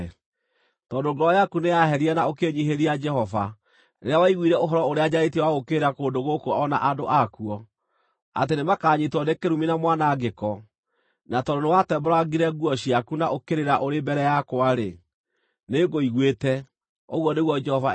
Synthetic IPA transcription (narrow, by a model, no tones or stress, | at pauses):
tɔːndoɡɾɔjakunejaɦɛɾianaokeɲiɦeɾiad͡ʒɛhɔva | neɾawaiɣwiɾɛoɦɔɾɔoɾead͡ʑaɾetiwaɣokeɾakoːndoɣokuɔʔɔna̰ʔadoʔakuɔ | a̰tenemakaːɲitwɔnekeɾuminamwanaɡekɔ | natɔndonewatɛbɔɾaɡiɾɛɣuɔɕiakunaʔokeɾeɾaʔoɾembɛɾɛjakwaɾe | neɡoiɣwetɛ | oɣwɔneɣwɔd͡ʒɛhɔva